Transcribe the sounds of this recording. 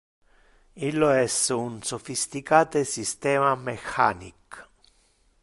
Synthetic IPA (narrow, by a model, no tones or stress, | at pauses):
ilːoɛsunsofist̪ikaːt̪esist̪ɛːmamexa̰nik